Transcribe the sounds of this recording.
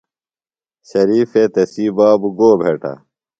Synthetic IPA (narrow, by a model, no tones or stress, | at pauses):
ɕɐɾiːfet̪ɐsiːbaːbɡoːbʱeːʈʰa̰